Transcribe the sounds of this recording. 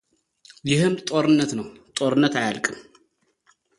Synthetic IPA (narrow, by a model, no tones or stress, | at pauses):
jɪhɨmt̪ʼo̞ɾɨnːət̪nəwt̪ʼo̞ɾɨnːət̪ajalkʼɨm